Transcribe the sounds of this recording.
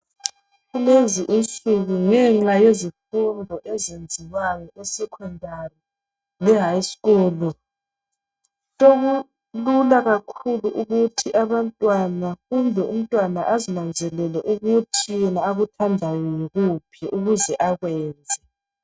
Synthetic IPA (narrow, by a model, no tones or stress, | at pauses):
ɣuleziʔint͡sʼuɣuŋɛŋ͡ǁajezifundʱɔʔɛzend͡zʱijwajɔʔɛsɛkʰɔndʱari | lɛɦaisɣɔːlɔ | loɣu | lulaɣakʰuluʔuɣutʰiʔaβantʼwanafumbʱɛum̩tʼwanaʔazinand͡zʱɛlɛlɛʔuɣutʰijɛnaːɣutʰandʱajɔjiɣupʰɛʔuɣuzɛʔaɣwɛːnd͡zʱɛ